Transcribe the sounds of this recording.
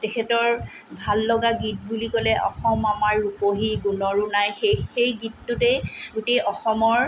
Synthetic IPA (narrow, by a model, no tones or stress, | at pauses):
tekʰɛtɔɹ | bʱalːɔɡaɡit̚bulikɔlɛʔɔ̰xɔmamaɹːupoɦiɡunɔɹunajxexejɡitːʊteɡutejʔɔxɔmɔɹ